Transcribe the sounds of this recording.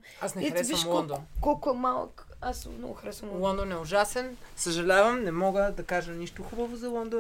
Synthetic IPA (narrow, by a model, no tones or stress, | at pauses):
asnɛxɾɛviɐʃmlɔnd̪onkɔlˠkʊɛmalˠə̰k | asmnɔ̰ɡʊxɾɛsəmlˠɔnd̪onɛʊʒasɛnsəʒɐlʲavɐmnɛmɔɡəd̪ɐkaʒəniʃt̪ʊxubɐvʊzɐlˠɔnd̪o